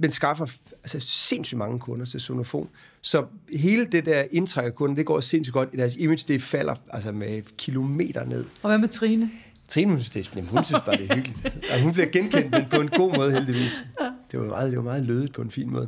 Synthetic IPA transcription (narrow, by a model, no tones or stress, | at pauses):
mensɡ̥ɑ̈fɐælsəse̝nsy̥mɑ̈ŋəkʰɔ̽nɐt͡sʰe̝sono̝fo̝̰ːm | sɒ̽ɦe̝ːləd̥e̝d̥æɐ̰e̝nt͡sʰʁaɡ̥ɐkʰɔ̽nɐd̥e̝ɡ̥ɒ̰ːse̝nsy̥ɡ̥ɒ̽d̥id̥æɐs̬ime̥sd̥e̝fæl̰ɐælsəmekʰilo̝me̝̰ːd̥ɐne̝ð̞̰ˠɒʋæmet͡sʰʁiːnə | t͡sʰʁiːnəhund̥enæmnhunsynnsb̥ɑ̈ːde̝æɐyɡ̥lid̥æsɦunb̥liɐɡ̥enkʰen̰d̥̚enpʰɒ̽e̝no̝̰ːmɔ̽ːðˠɦeld̥iʋḭːsd̥e̝ʋɑ̈mɑ̈ːðˠd̥e̝ʋɑ̈mɑ̈ːð̞̩ˠløːðˠið̥̚ˠpʰɒ̽e̝nfḭːnmɔ̰ːðˠ